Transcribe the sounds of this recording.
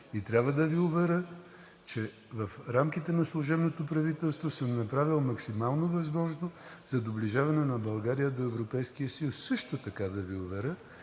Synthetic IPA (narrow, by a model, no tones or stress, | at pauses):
it̪ɾʲabvəd̪ɐviovɛɾə | t͡ʃɛ | vɐfɾamkit̪ɛnɐslˠoʒɛbnot̪opɾɐvit̪ɛlˠst̪vosəmnɐpɾavilˠmɐksimalˠnovɐzmɔʒnoz̥ɐd̪obliʒavɐnɛnɐbɐlˠɡaɾijəd̪oɛvɾopɛjskiəsilˠsːɤʃt̪ot̪ɐkad̪ɐviovɛɾə